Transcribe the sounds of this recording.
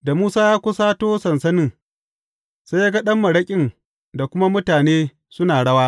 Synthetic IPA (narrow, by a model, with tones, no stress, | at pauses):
da˨muː˦saː˦jaː˦kʷʊ˦saː˦toː˦sɐ˨nsɐ˦nɪ˦˨ŋ | sa˦jaː˦ɡa˦ɗɐ˦mːɐ˨ɽɐ˦kʲʼɪ˦n | da˨kʷʊ˦ma˦mʊ˦taː˨neː˦ | sʊ˦naː˨ɽɐ˦waː˦